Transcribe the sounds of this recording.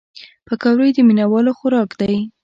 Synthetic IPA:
pəkɑwɾəjd̪əminawɑloxʊɾɑkd̪aj

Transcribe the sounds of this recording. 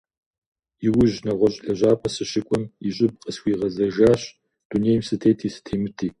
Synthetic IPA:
jɪwʊʑnɐʁʷɔɕʼɬɐʑaːpʰɐsɨɕɪkʷʼɔmiɕʼɪb̚qʼəsxʷiːʁɐzɐʒaːɕ | d̥unejmsɨtʰejtʰiːsɨ̥tʰeːmɨtʰiː

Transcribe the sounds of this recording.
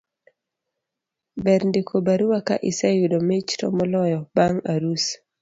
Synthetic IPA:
bɛɾndikʰobaɾuwaka̰ʔisajudomet͡ʃtɔ̰mɔlɔjɔbaŋaɾus

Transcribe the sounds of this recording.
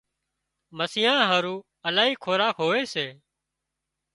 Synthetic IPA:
məsɪjãːɦəɾũː | əlaːɦiːkʰoːɾaːkɦoːʋeːseː

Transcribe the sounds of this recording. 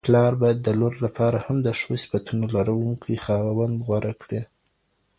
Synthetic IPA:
plɑɾbɑjad̪ːəloɾlapʰɑɾahamd̪əʂosi̥fat̪unolaɾawuŋkʰijxɑwawand̪ɣwaɾʔakɽi

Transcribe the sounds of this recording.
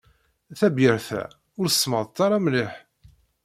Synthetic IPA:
θæbjəɾθæ̰ | ʊɾθə̥sːməðˤt̪ːɑɾˤɑmliħ

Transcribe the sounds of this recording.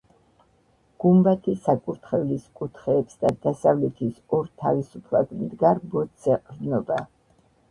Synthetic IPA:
ɡ̥umbat̪ʰisakʼuɾt̪ʰχɛvliskʼut̪ʰχɛːpsd̪ad̪̥asavlɛt̪ʰisɔɾt̪ʰavisupʰlˠad̪md̪ɡaɾbɔt̪sɛqʼɾnɔba

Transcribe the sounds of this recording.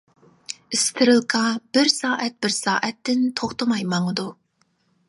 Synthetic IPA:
ɪst̪ʰɪɾɨlˠqʰɑb̥ɪɾsɑːʔɛt̪̚bɪɾsɑːʔɛt̪ːɪnt̪ʰoχt̪əmɑjmɑŋəd̪u

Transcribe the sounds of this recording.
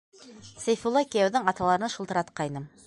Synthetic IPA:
sæjfulˠːɑkɘjæwðɘŋɑt̪ɑlˠɑɾɤ̆nɑʃŭlˠt̪ɤ̆ɾɑt̪qɑjnɤm

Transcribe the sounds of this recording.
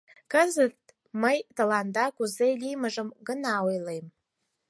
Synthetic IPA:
kazɨt | majtalandaɡʷuzejlimaʐɨmɡɨnawejlejm

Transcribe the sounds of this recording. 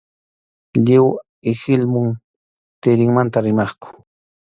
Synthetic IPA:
ʎɪw | ɪxɪlmʊŋ | t̪ɪɾɪŋmant̪aɾɪmɑχkʊ̥

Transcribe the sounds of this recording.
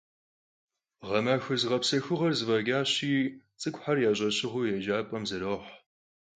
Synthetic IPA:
ʁɐmɐxɨzɨʁɐpsɐxʊʁɐrzɨvɐɡʲaːɕiːt͡sʼɨkʷʼħarjaːʑʼɐɕɪʁʊjɛʒaːpʼɐmzɨɾoːħ

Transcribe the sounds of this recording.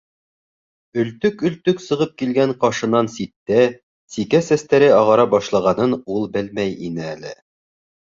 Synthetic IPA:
ɵ̆lt̪ɵkɵ̆lt̪ɵksɤ̆ʁɤp̚kilɡæɴqɑʃɤ̆nɑnsit̪ːæ | sikæsæst̪æɾɘɑʁɑɾɑbɑʃlˠɑʁɑnɤnulˠbɘlmæjḭnɘælɘ̰

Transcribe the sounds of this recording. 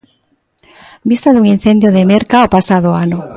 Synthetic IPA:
bist̪aðuŋin̟θend̪joðemeɾkaopasaðoanʊ

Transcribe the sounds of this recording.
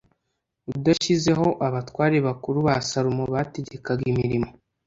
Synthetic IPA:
udaʃize̞ɦo̞ʔaβatwaːɾeβakuɾuβasaɾumoβate̞ɟe̞kaɡimiɾimo̞

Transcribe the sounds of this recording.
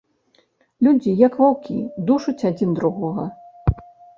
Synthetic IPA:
lʲud͡zʲijɐkvawkʲḭd̪uʂut͡sʲad͡zʲind̪ɾuɣɔɣɐ

